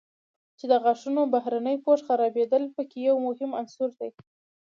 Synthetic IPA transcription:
t͡ʃed̪əɣaʂunobahɾanəjpoʃxaɾɑbed̪əlpəkejawmʊhɪmansuɾd̪aj

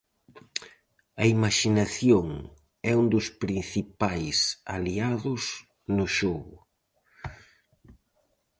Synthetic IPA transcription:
ɐimaʃinaθjoŋ | ɛund̪ʊspɾin̟θipajsa̰liaðʊs | nʊʃɔɣʊ

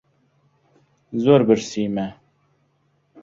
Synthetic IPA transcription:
zoɾbɨɾsiːmɛ

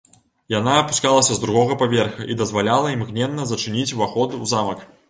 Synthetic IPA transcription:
janaːpu̥skalˠɐsʲɐzd̪ɾuɣɔɣɐpavʲɛrxɐʔid̪ɐzvalʲalˠɐimɣnʲɛnːɐzɐt͡ʂɨnʲit͡sʲvaxɔd̪ɨuzamɐk

